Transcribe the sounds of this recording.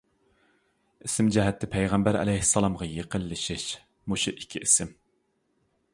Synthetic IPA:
isɪmd͡ʒɛɦɛt̪ʰːɪpʰɛjʁɛmbæɾɛ̰lɛjhɪsːɑlˠɑmʁɑjeqʰəlːɨʃiʃ | muʃuʔikʲʰiʔisɪm

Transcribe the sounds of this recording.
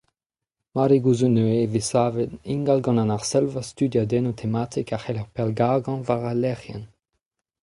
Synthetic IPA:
maɾiɡuzunøevesaːvedĩŋɡalɡɑ̃nãnaʁsɛlvast̪yd̪jad̪ɛnot̪ʰemat̪ʰikaχɛlaʁpɛlɡaɡɑ̃vaʁalɛʁjɛn

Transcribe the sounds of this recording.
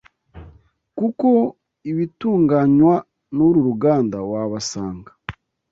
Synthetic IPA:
kuko | iβituːŋɡaɲwa | nuɾuɾuɡaːndawaβasaːŋɡḁ

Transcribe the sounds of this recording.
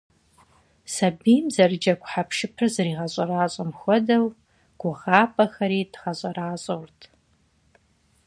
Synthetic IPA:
sɐbiːmzɐrɨd͡ʒɐkʷʼħapʰʃɪpʰɨrzɨriːʁɐɕʼɐɾaːɕʼɐmxʷɔdɐw | ɡ̥ʷʊʁɑːpʰʼɐxɐɾiːdʁɐɕʼɐraːɕʼɐwrtʰ

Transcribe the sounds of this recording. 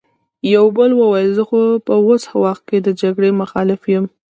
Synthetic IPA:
jawbəlwəwajəlzəxopəwoshawɑxt̪̚ked̪əd͡ʒaɡɽemʊxɑlɪfjəm

